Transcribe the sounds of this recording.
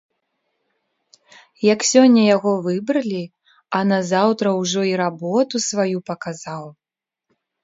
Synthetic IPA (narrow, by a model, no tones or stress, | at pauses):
jɐksʲɔnʲːɐjaɣɔvɨbɾɐlʲi | ɐnɐzawt̪ɾɐwʐɔiɾabɔt̪usvajupɐkazaw